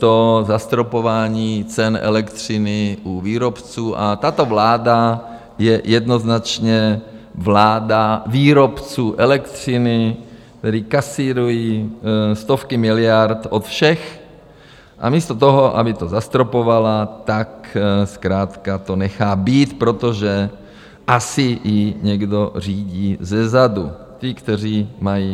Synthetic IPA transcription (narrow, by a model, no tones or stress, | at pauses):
t̪ozast̪ɾopo̞vaːɲiːt͡sɛnʔɛ̰lɛkt̪r̝̥ɪnɪʔuviːɾo̞pt͡suːʔat̪at̪o̞vlaːda | jɛjɛd̪no̞znat͡ʃɲɛ | vlaːdaviːɾopt͡suːʔɛlɛkt̪r̥ɪnɪ | t̪ɛɾikasiːɾuji | st̪ofkɪmɪlɪjaɾt̪ʔot̪fʃɛx | ʔa̰miːst̪ot̪oɦoʔa̰bɪt̪ozast̪ɾopovalat̪akskɾaːt̪kat̪o̞nɛxaːbiːt̪pɾo̞t̪oʒɛ | ʔasɪjɪɲɛɡdo̞r̝iːɟiːzɛzadu | t̪ɪkt̪ɛr̝iːmajiː